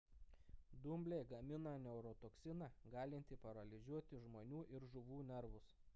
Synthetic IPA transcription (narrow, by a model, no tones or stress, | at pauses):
d̪ʊmʲbʲlʲeːɡɐmʲɪnɑːnʲɛʊɾɔt̪oːksʲɪnɑɡɑːlʲɪnʲt̪ʲɪpɐɾɐlʲɪzʲuɔt̪ʲɪʒmoːnʲuːʔɪɾʒʊʋuːnʲɛɾʋʊs